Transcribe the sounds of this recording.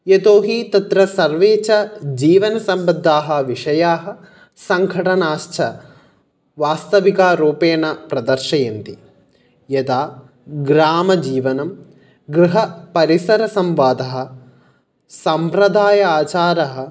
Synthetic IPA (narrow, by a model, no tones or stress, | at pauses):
jet̪oːɦit̪ɐt̪ɾɐsɐɾʋeːt͡ʃɐd͡ʒiːʋɐnɐsɐmbɐd̪ʱːaːɦɐʋiʂɐjaːɦɐ̆ | sɐŋkʰɐʈɐnaːʃt͡ʃʰɐ | ʋaːst̪ɐʋikaːɾoːpeːɳɐpɾɐd̪ɐɾʃɐjɐnt̪i | jɐt̪aː | ɡɾaːmɐd͡ʒiːʋɐnɐm | ɡɾiɦɐpɐɾisɐɾɐsɐmʋaːd̪ɐɦɐ̆ | sɐmpɾɐd̪ʱaːjɐaːt͡ʃaːɾɐɦɐ̆